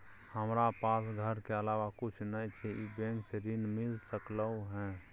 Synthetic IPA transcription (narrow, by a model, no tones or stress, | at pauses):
həmɾapaːsɡʱəɾkeəlaːʋakʊt͡ʃʰnəit͡ʃʰɛibẽŋkseɾɪnmɪlsəkləuɦɛ̃ː